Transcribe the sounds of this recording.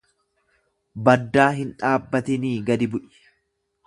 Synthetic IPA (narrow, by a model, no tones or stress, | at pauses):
bɐd̪ːaːɦɪnᶑaːbːɐt̪ɪniːɡɐd̪ɪbʊʔɪ̥